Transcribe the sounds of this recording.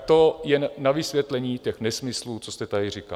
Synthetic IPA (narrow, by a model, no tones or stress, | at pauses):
t̪ojɛnnavɪsvʋjɛt̪lɛɲiːcɛxnɛsmɪsluːt͡sost̪ɛt̪adɪrɪka̰l